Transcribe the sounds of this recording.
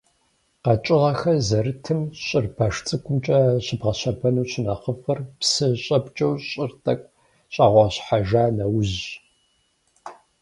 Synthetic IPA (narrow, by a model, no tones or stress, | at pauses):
qɐt͡ʃʼɪʁɐxɐzɐɾɨtʰɨmɕʼɪrpʰaːʂt͡sʼɨkʷʼʊmt͡ʃʼɐɕɪbʁɐɕɐpʰɐnuːɕɪnɐχəfɐrpsɨɕʼɐpʼt͡ʃʼɐwɕʼɪrtʰʼɐkʷʼ | ɕʼɑːʁʷɑɕħaʒaːnɐwʑ